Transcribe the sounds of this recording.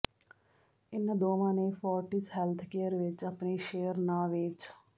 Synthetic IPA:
ɪnd̪oːʋãːneːfɔːɾʈisɦɛlt̪ʰkeːəɾʋɪt͡ʃəpniʃeːəɾnaːʋeːt͡ʃ

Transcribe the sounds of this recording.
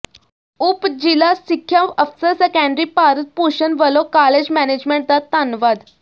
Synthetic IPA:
upd͡ʑilasikʰːjaəfsəɾsəkəɳɖɾipaɾət̪̚puɕənʋəlokaled͡ʑmɛned͡ʑmẽɳʈ̚t̪at̪anʋad̪

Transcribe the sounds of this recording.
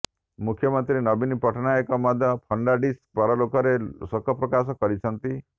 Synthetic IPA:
mukʰjɔmɔnt̪ɾinɔbinipɔʈʰɔnaekɔmɔd̪ʱjɔpʰɔɳɖaɖispɔɾɔlokɔɾesɔkɔpɾɔkas̬ɔkɔɾit͡ʃʰɔnt̪i

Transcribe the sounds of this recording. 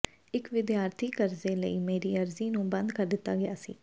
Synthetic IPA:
ɪkʋɪd̪jaːɾt̪ʰiːkəɾzeːləiːmeːɾiːəɾziːnũːbə̃nd̪kəɾd̪ɪt̪ːa̰ːɡɪjaːsḭː

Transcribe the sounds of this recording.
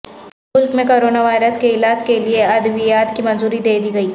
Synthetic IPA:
mʊlkmẽkoːɾoːnaʋaːɪɾəskeɪlaːd͡ʒkelieɐd̪ʋijaːt̪kimɐ̃nzuːɾid̪eːd̪iɡɐiː

